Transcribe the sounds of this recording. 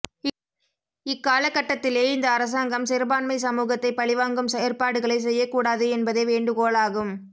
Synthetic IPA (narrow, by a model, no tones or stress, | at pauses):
ɪkːaːlɐkːɐʈːɐt̪ːɪleːɪnd̪ɐːɾɐs̬aːŋɡɐmsɪɾɯbaːnmɐɪsɐmuːɣɐt̪ːɐɪpɐɭɪʋaːŋɡɯmsɛjɐrpaːɽɯɣɐɭɐɪs̬ɛjːɐkːuːɽaːðɯɛnbɐðeːʋeːɳɖɯɣoːlaːɣɯm